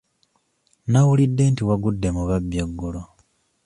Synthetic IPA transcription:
nawulidːe̞ntiwaɡudːe̞muβabjaɡːolo

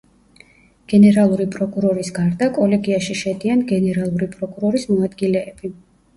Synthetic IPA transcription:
ɡ̥ɛnɛɾalˠuɾipʼɾɔkʼuɾɔɾisɡaɾd̪akʼɔlɛɡiaʃiʃɛd̪ianɡɛnɛɾalˠuɾipʼɾɔkʼuɾɔɾismɔad̪ɡilɛːb̥i

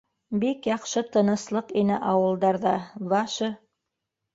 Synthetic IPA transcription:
bikjɑqʃɤt̪ɤ̆nɤ̆slˠɤqinɘʔɑwɤ̆lˠd̪ɑɾðɑlˠɑʃɤ

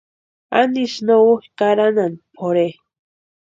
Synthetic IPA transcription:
aniʃnowoxkaɾananpʰoɾe

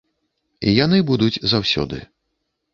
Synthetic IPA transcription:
ijanɨbud̪ut͡sʲzawsʲɔ̰d̪ɨ̰

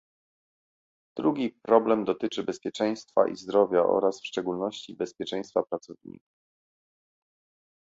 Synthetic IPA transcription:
d̪̥ɾuɡʲipɾɔblɛmd̪ɔt̪ɘt͡ʂɘbɛspʲjɛt͡ʂɛj̃st̪fa̰ʔḭzd̪ɾɔvʲjaʔɔ̰ɾasfʂt͡ʂɛɡulnɔɕt͡ɕibɛspʲjɛt͡ʂɛj̃st̪fapɾat̪sɔvɲḭku

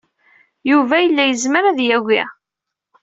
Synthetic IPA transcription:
juvæjəlːæjəzməɾæðjæwḭ

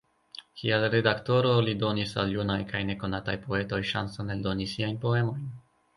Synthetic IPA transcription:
kʰialɾe̞dakto̞ɾo̞lido̞nisa̰ljunajkʰajne̞ko̞natajpo̞e̞to̞jʃa̰nsone̞ldo̞nisiajnpo̞e̞mo̞jn

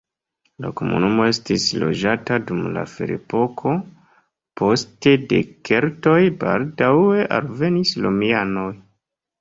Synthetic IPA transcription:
la̰ko̞mṵnumo̞e̞stislo̞̰d͡ʒatadumla̰fḛɾḛpo̞kʰo̞ | pʰo̞ste̞de̞̰ke̞ɾto̞jba̰ldawe̞ʔa̰lve̞nislomiano̞j

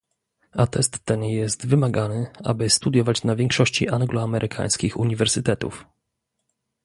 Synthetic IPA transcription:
at̪ɛst̪ːɛnjɛst̪vɘmaɡanɘa̰bɘst̪ud̪jɔvat͡ɕnavʲjɛŋkʂɔɕt͡ɕḭʔaŋɡlɔamɛɾʔɘkʰa̰j̃skʲixuɲivɛɾsɘt̪ɛt̪ṵf

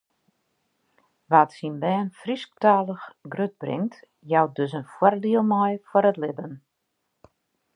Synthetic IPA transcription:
ʋatsinbɛːnfrisk̚taːlˠəxɡrøt̚brɪ̰ŋt | jaw̚døsənfwɔrdiəlˠmɔjfɔɾətlɪbən

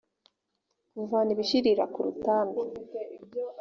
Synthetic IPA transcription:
kuvaniβiʃiɾiɾakuɾṵtaːmɡe

